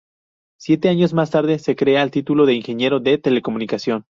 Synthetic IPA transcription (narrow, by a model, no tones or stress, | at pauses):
sje̞t̪e̞aɲo̞zmast̪aɾðe̞se̞kɾe̞aelt̪it̪ulo̞ðe̞inxe̞ɲje̞ɾo̞ðe̞t̪e̞le̞ko̞mũnikasjo̞n